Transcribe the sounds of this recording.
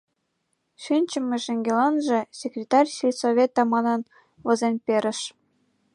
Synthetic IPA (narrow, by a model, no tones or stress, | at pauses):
ʃynʲt͡ɕɘ̆mʲĕʃeŋɡʲelɑnʒĕsʲekrʲet̪ɑrʲsilʲsoβʲet̪ɑmɑnɤn | βɤ̆zenpʲeɾʲɘ̆ʃ